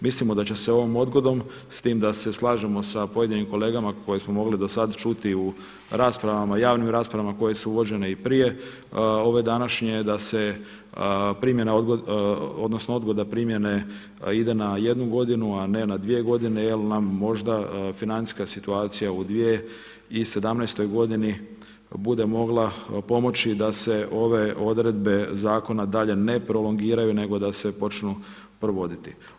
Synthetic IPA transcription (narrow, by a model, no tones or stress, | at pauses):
mislimo̞d̪at͡ɕeseo̞ʋomo̞d̪ɡo̞d̪om | st̪iːmd̪ase̞slˠaːʒemo̞sapo̞je̞d̪inimko̞le̞ːɡamakʰo̞jesmo̞mo̞ɡlid̪o̞sad̪t͡ʃut̪iu | ɾaːspɾaʋamajaːʋnimɾaːspɾaʋamako̞je̞suuʋo̞d͡ʑe̞ne̞ipɾije̞ | o̞ʋe̞d̪anaʃɲe̞d̪ase̞ | pɾimje̞naod̪ɡoo̞d̪nosnoo̞d̪ɡo̞d̪apɾimje̞ne̞ | id̪e̞naje̞d̪nuɡo̞d̪inuane̞nad̪ʋije̞ɡo̞d̪ine̞jelnamːo̞ʒd̪afinani̥skasit̪uaːt̪sijaud̪ʋije̞ | ise̞d̪amnajst̪o̞jɡo̞d̪ini | bud̪e̞mo̞ɡlˠapo̞mo̞t͡ɕid̪ase̞ʔo̞ʋe̞o̞d̪ɾe̞d̪̚be̞zaːko̞nad̪aʎe̞ne̞pɾo̞loŋɡiːɾajune̞ɡo̞d̪ase̞po̞t͡ʃnu | pɾoʋo̞d̪it̪i